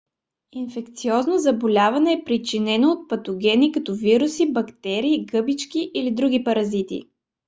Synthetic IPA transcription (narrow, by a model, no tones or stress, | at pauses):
infɛk̚t̪siɔznozɐbolʲavɐnɛːpɾit͡ʃinɛnoːt̪̚pɐt̪oɡʲɛnikɐt̪ɔviɾusibɐkt̪ɛɾiːɡɤbit͡ʃkiʔilid̪ɾuɡʲipɐɾɐzit̪ḭ